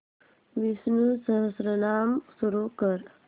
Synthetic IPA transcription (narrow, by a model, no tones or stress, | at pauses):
ʋisnusəɦəsɾənaːmsuɾukəɾ